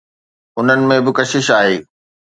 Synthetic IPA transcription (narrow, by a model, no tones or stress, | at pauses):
ʊn̤ənɪ̆mẽbɪkɐʃɪʃaːɦeː